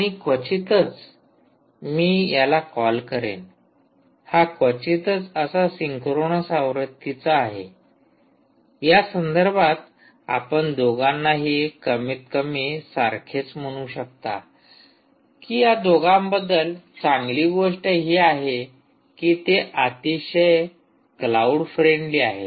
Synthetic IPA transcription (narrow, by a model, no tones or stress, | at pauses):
aɽ̃ikʋət͡ɕit̪ət͡s | miːjalakɔlkəɾḛn | hakʋət͡ɕit̪ət͡səsasiŋkʰɾoɳ̃əsãwɾət̪ʰːit͡saːɦḛ | jasənd̪əɾbʱat̪ | a̰pəɳd̪oɡanːaɦekəmiːt̪kəmiːsaɾkʰet͡sm̤əɽ̃uːɕək̚t̪a̰ | kiːjad̪oɡambəd̪əlt͡sãŋɡliːɡoʂʈəɦiːaɦe | kiːt̪eʔat̪iɕəj | klauɽfɾeɳɖliːaɦe